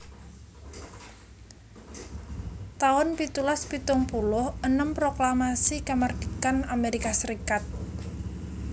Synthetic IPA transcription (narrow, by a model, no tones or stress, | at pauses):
t̪aʊnpit̪ulaspit̪ʊŋpulʊhənəmpɾoklamasikamard̪̥ikanameɾikasəɾikat̪̚